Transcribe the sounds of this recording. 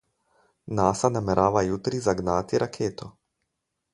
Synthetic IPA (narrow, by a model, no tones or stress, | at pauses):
naːsanamɛɾʔaːʋajut̪ɾizaɡnaːt̪iɾʔakʰeːt̪ʰo